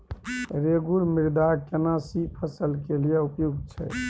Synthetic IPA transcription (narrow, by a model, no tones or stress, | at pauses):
ɾeɡuɾmiɾd̪akenasipʰəsəlkelijeupjoɡ̪t͡ʃʰɛ̰